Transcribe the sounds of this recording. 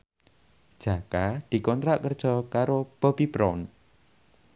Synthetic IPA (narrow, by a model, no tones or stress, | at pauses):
d̥ʒ̥a̤kad̪̥i̤kɔnt̪ɾaʔkərd̥ʒ̥ɔkaɾopɔbibɾɔn